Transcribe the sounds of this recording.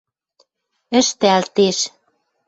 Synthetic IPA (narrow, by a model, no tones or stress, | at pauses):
ə̆ʃt̪ɘælt̪eʃ